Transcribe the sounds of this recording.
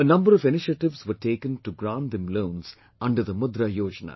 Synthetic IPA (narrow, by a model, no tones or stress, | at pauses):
ənɐ̃mbəɾɔʋɪnɪʃəʈɪʋsʋəɾʈeːkə̃nʈuɡɾãːnʈ̚d̪ɛ̃mlõːns | ɐ̃ɳɖəɾd̪əmʊd̪ɾajoːd͡ʒəna̰ː